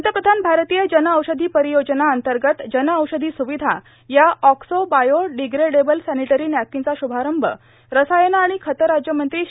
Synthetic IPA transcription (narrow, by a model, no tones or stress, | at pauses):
ənt̪əpɾəd̪ʱanbʱaɾt̪iːjəd͡ʑənəəwɕəd̪ʱiːpəɾijod͡ʑənaənt̪əɾɡət̪d͡ʑənəəwɕəd̪ʱiːsuʋid̪ʱa | jaɔksobajoɖiɡɾeɽebəlsæniʈəɾiːnjakːint͡saɕubʱaɾəmbʱə̰ | ɾəsajənaːɽ̃ikʰət̪əɾad͡ʑjəmənt̪ɾiː